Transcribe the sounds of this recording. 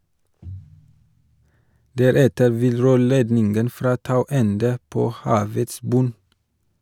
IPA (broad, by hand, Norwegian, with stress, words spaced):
ˈdæɾɛtəɾ ˈʋɪl ˈɾøːɭeːdnɪnɡən ˈfɾɑː ˈtɑʉ ˈɛndə ˈpoː ˈhɑːʋəts ˈbʉn